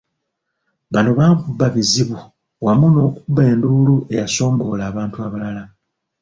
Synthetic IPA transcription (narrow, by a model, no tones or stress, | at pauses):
βano̞βaːŋkubːaβiziβu | wamuno̞ːkubːe̞ːnduloe̞jaso̞ːŋɡo̞laːβaːntuaβalala